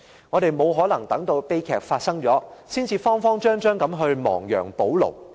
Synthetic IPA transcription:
ŋŋɔː˨˧ɾe˨jmo˨˧wɦɔː˨˥lɐ˨˩ŋt̪ɐ˨˥ŋt̪o˧wpe˥jkʰɛ̰ː˧˩k̚faː˧t̚sɐ˥ŋt͡ʃɔː˨˥siː˥nt͡siː˧fɔː˥ŋfɔː˥ŋt͡ʃœː˥ŋt͡ʃœː˥ŋkɐ˨˥mɦɵ˧ɥmɔ̰ː˨˩ŋjœ̰ː˨˩ŋpo˨˥wlo̰˨˩w

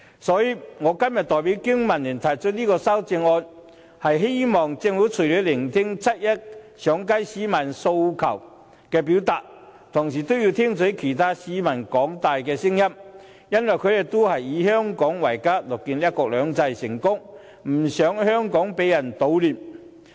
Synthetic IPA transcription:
sɔː˨˧˥jiː˧ŋɔː˨˧kɐ˥mjɐ˨t̚t̪ɔː˨jpi˨˥wkɪ˥ŋmɐ˨˩nliː˨˩nt̪ʰɐ˨˩jt͡ʃʰɵ˥t̚liː˥kɔː˧saː˥wt͡sɪ˧ŋɔː˧n | hɐ˨jɦe˥jmɔː˨˩ŋt͡sɪ˧ŋfu˨˥t͡sʰɵ˨˩jli˨˧˥lɪ˨˩ŋt̪ʰɪ˥ŋt͡sʰɐ˥t̚jɐ˥t̚ | sœː˨˥ŋkɐ˥jsiː˨˥mɐ˨˩nso˧wkʰɐ̰˨˩w | kɛː˧p̬iː˨˥wt̪aː˨k̚ | t̪ʰʊ˨˩ŋsiː˨˩t̪o˥wji˧wt̪ʰiː˥ŋt͡sɵ˨˥kʰe˨˩jt̪ʰaː˥siː˨˥mɐ˨˩nkɔː˨˥ŋt̪aː˨jkɛː˧sɪ˥ŋjɐ˥m | jɐ˥nwɐ˨jkʰɵ˨˧jtɪ˨˩t̪o˥whɐ˨jːiː˨˧˥hœː˥ŋkɔː˨˥ŋwɐ˨˩jkaː˥lɔː˨˩kːiː˧nliː˥ɐ˥tkɔː˧k̚lœː˨˧ŋt͡sɐ˧jsɪ̰˨˩ŋkʊ˥ŋ | m̩˨˩sœː˨˥ŋhœː˥ŋkɔː˨˥ŋpe˨˧˥jːɐ˨˩nt̪o˨˧wliː˨m

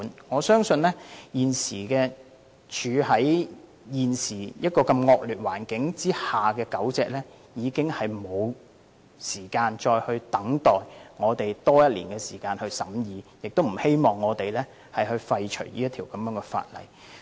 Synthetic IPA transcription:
nŋɔː˨˧sœː˥ŋsɵ˧nlɛː˥jiː˨nsiː˨˩kɛː˧ | t͡ʃʰyː˨˧hɐ˨˥j | jiː˨˩nsiː˨˩jɐ˥t̚kɔː˧kɐ˧mŋɔː˧k̚lyː˨t̚waː˨˩nkɪ˨˥ŋt͡siː˥haː˨kɛː˧kɐ˨˥wt͡sɛː˨˧k̚lɛː˥ | jiː˨˧kɪ˥ŋhɐ˨jmo˨˧w | siː˨˩kaː˧nt͡ʃɔː˧jhɵ˧ɥt̪ɐ˨˥ŋt̪ɔː˨jŋɔː˨˧t̪e˨jt̪ɔː˥jɐ˥t̚liː˨˩nkɛː˧siː˨˩kaː˧nhɵ˧ɥsɐ˨˥mjiː˨˧jɪ˨k̚t̪o˥wm̩˨˩he˥jmɔː˨˩ŋːɔː˨˧t̪e˨jlɛː˥ | hɐ˨jhɵ˧ɥfɐ˧jt͡ʃʰɵ˨˩ɥliː˥jɐ˥t̪ʰiː˨˩wkɐ˨˦mjœː˨˥ŋɛː˧fa̰ː˧t̚lɐ̰˨˩j

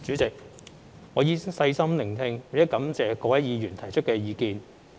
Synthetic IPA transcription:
t͡ʃyː˨˥t͡sɪ˨k̚ | ŋɔː˨˧jiː˨˥ŋsɐ˧jsɐ˥mlɪ˨˩ŋt̪ʰɪ˧ŋwɐ˨˥kɐ˨˥mt͡sɛː˨˧kɔː˧wɐ˨˥jiː˨˧jyː˨˩nt̪ʰɐ˨˩jt͡ʃʰɵ˥t̚kɛː˧jiː˨˧kiː˧n

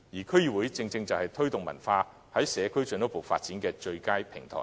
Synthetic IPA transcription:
jiː˨˩kʰɵ˥ɥji˨˩wu˨˥jt͡sɪ˧ŋt͡sɪ˧ŋt͡sɐ˨whɐ˨jt̪ʰɵ˥ɥt̪ʊ˨ŋmɐ̰˨˩nfaː˧ | hɐ˨˥jsɛː˨˧kʰɵ˥ɥt͡ʃœ˧˥no˨˥wpo˨wfaː˧t̚t͡siː˨˥nkɛː˧t͡ʃɵ˧ɥkaː˥jpʰɪ˨˩ŋt̪ʰɔ̰ː˨˩

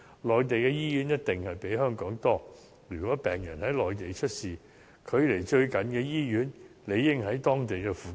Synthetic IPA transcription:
lɔː˨jt̪e˨jkɛː˧jiː˥jyː˨˥njɐ˥t̚t̪ɪ˨ŋhɐ˨jpe˨˥jɦœː˥ŋkɔː˨˥ŋt̪ɔː˥ | lyː˨˩kɔː˨˥pɛː˨ŋjɐ˨˩nhɐ˨˥jlɔː˨jt̪e˨jt͡ʃʰɵ˥t̚siː˨ | kʰɵ˨˧ɥle˨˩jt͡ʃɵ˧ɥkɐ˨˧nkɛː˧jiː˥jyː˨˥nle˨˧jːɪ˥ŋɦɐ˨˥jt̪ɔː˥ŋt̪e˨jkɛː˧fuː˨

